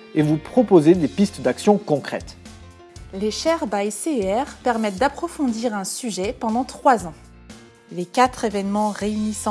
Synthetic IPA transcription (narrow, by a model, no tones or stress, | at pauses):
evupχɔpozed̪epist̪d̪aksjɔ̃kɔ̃kχɛ̰t̪ | leʃɛʁbajseɛʁpɛʁmɛt̪̚d̪apχɔfɔ̃d̪iʁɛ̃syʒɛpɑ̃d̪ɑ̃t̪χwazɑ̃ | lekʲat̪χevɛnmɑ̃ʁeynisɑ̃